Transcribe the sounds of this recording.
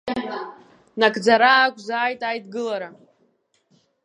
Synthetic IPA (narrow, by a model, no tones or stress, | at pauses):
nakʰʼd͡zaɾaːkʷʰʼzaːjtʼajdɡɨlaɾa